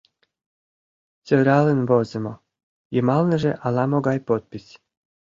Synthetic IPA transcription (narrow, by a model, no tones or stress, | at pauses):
t͡sʲøɾʲɑlɘ̆nbozʲɤ̆mo | jɤmɑlˠnɤ̆ʒeʔɑlˠɑmoɡɑjpot̪̚pʲisʲ